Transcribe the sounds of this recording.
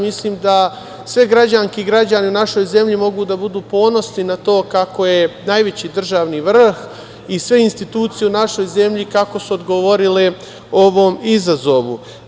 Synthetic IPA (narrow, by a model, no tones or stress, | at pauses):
misliːmd̪a | sʋe̞ɡɾad͡ʑaŋkeɡɾad͡ʑaneunaʃo̞jze̞mʎimo̞ɡud̪abud̪uːpo̞ːno̞sninat̪o̞ːkako̞jenajʋe̞t͡ɕiːd̪r̩ʒaːʋniʋr̩x | isʋe̞inst̪it̪uːt̪sije̞unaʃo̞jze̞mʎikako̞suod̪ɡo̞ʋo̞ɾile | o̞ʋo̞ːmizazo̞ʋṵ